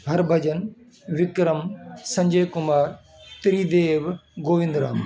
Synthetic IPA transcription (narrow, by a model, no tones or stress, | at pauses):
bʱɐɾbʱɐd͡ʑən | ʋɪkɾəmsɐ̃ɲd͡ʑəɦjkʊmaːɾ | t̪ɪɾiːd̪eːʋɡoːʋɪ̃nd̪ɾaːm